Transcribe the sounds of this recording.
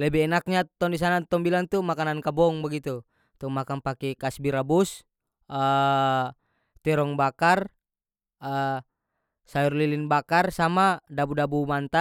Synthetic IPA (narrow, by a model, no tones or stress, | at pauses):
lɛbɛɛnak̚ɲat̪ɔndis̬anat̪ɔŋbilant̪umakanankabɔŋbaɡit̪u | t̪umakanpakɛkasbiɾabus | ə | t̪ɛɾɔŋbakar | ə | saurlilinbakarsamadabudabumant̪a